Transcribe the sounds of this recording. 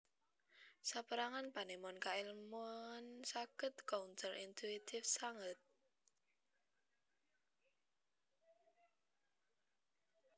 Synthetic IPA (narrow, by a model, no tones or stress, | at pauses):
sapəɾaŋanpanemɔnkailmɔnsakət̪kɔunsəlʔint̪ʰuit̪ʰɪfsaŋət̪̚